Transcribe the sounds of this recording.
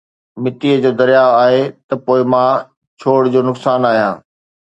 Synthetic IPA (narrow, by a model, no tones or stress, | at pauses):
mɪt̪iəd͡ʑoːd̪ɐɾijaːaːɦet̪ɐpoːɪmãː | t͡ɕʰoːɽd͡ʑoːnʊksaːnaːɦijãː